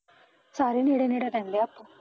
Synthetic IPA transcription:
saːɾeneːɽeneːɽeɾɛ̃ːnd̪eːapːo

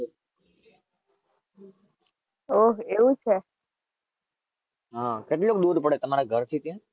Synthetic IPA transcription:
oɦeʋũt͡ʃʰe | ɦãkeʈlokɗ̪ud̪pəɽet̪əmaɾaɡʱəɾt̪ʰit̪jã

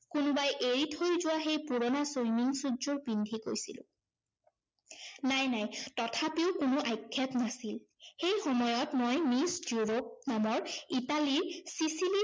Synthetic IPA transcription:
kʊnʊbajʔeɹitʰojzʊwaxejpuɹɔnasojminsudzɔɹpindʱiko̰jsḭlʊ̰̃ | najnajtɔtʰapiʊkʊnʊʔajkʰːɛtnasil | xejxɔmɔjɔtmojmisjuɹop̚namɔɹitaliɹsisili

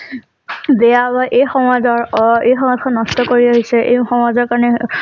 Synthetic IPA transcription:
dɛjabaʔejxɔmɔzɔɹejxɔmɔdkʰɔnːɔstɔkoɹiaɦisɛʔḛjxɔmɔzɔɹkaɹɔnɛ

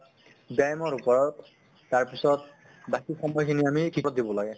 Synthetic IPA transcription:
bajmɔɹupɔɹɔtː | aɹpisɔt̚ | bakixɔmɔjkʰiniamikʰiɔtdibɔlaɡɛ

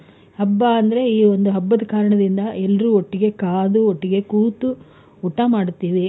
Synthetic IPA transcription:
hɐbːɐɐnd̪ɐɾe̞iːo̞nd̪uɦɐbːɐd̪ɐkaːɾɐɳɐd̪ind̪ɐʔɛlːɐɾuːoʈːiɡe̞kaːd̪uoʈːiɡe̞kuːt̪uː | ʈːamaːɽut̪ːiːʋi

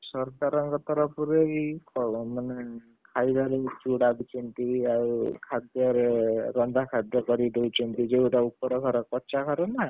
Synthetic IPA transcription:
sɔɾkaɾɔŋɡɔt̪ɔɾɔpuɾeikɔmane | kʰajd̪aɾet͡ʃuɽabit͡ʃʰɔnt̪iaukʰad̪jɔɾeɾɔnd̪ʱakʰad̪jɔkɔɾid̪ewt͡ʃʰɔnt̪id͡ʒeuʈaupɔɽɔɡʱɔɾɔkɔt͡ʃakʰaɾɔnaɦe

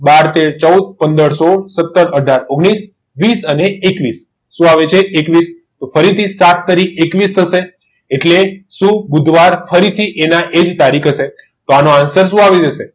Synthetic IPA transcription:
baɾt̪eɾt͡ʃəud̪̚pənd̪əɽsosət̪ːəɾəɖʱaɾoɡɽ̃is | ʋisəneːkʋisː | ũaʋet͡ʃʰeʔekʋis | t̪ofəɾit̪ʰisat̪ʰːəɾikʰekʋist̪ʰəʃe | eʈleʃũbud̪ʱʋaɾfəɾit̪ʰiʔenaʔed͡ʒt̪aɾikʰəʃe | t̪oanoansəɾs̬ũaʋed͡ʒəʃe

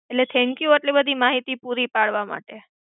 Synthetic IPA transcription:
eʈlet̪ʰɛ̃ŋkjuəʈlibəd̪ʱimaɦit̪ipuɾipaɭʋama̰ʈe

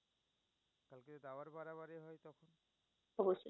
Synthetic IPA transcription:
kalket̪od̪aoaɾbaɾaβaɾejɦɔjt̪ɔkʰon | ɔboso

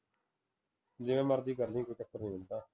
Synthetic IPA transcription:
d͡ʒɪʋẽːməɾd̪iːɡəɾnĩːkoikəkʰːəɾnĩːɦʊ̃nd̪aː

